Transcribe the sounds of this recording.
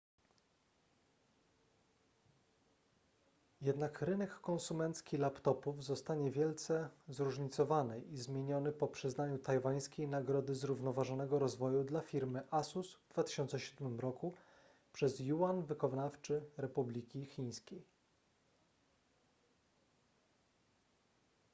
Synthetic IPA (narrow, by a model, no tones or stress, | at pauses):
jɛd̪nakɾɘnɛkːɔ̃nsumɛnt̪skʲilapt̪ɔpuvzɔst̪aɲɛvʲjɛlt̪sɛzɾuʐɲit̪sɔvanɘʔizmʲjeɲɔnɘpɔpʂɘznaɲut̪ajvaj̃skʲejnaɡɾɔd̪ɘzɾuvnɔvaʐɔnɛɡɔɾɔzvɔjud̪lafʲiɾmɘʔasusvd̪vat̪ɘ̥ɕɔnt̪sɛɕud̪mɘmɾɔku | pʂɛzjuanvɘkɔvnaft͡ʂɘɾɛpublʲikʲixʲij̃skʲej